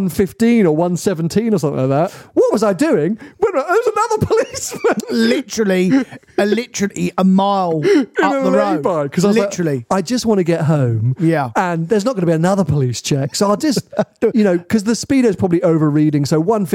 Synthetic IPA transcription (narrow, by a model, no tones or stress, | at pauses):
nfɪftĩnə˞wʌ̃nsɛvn̩tʰĩnə˞sʌ̃mθɪ̰̃laɪk̚ðæt̚wʌt̚wʌzaɪdʉɪ̃ŋwɛ̃naðəwzənʌðə˞pʰəlismə̃nlɪtəɹl̩i | əlɪtəɹəliəmaɪlˠɪ̃aəlðəɹə̃ʊbaɪkʰʌzaɪʌlɪaɪt͡ʃɹl̩iaɪd͡ʒʌst̚wɑ̃ñɨɡɛt̚ɦõʊ̃mjæə̃nðə˞znət̚ɡ̥ʌnəbiɨnʌðə˞pʰəlist͡ʃʰɛksoʊaɪd͡ʒʌstjɨnoʊkʰʌzðəspiɾə˞z̥pʰɹ̥ɒbəbliəʊvə˞ɹiɾɪ̃ŋsoʊwʌ̃nf